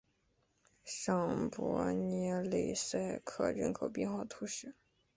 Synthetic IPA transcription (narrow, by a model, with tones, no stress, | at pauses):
ʂɑ˥˩ŋpwɔ̰˧˥nɛ˧˥le˧˨˩ɪsa˥˩ɪkʰɤ̰˥˩ɻə̰˥nkʰo˨˩ʊpi˥˧xɑ˨˩ʊt̪ʰu˥ɕɛ˧˥˦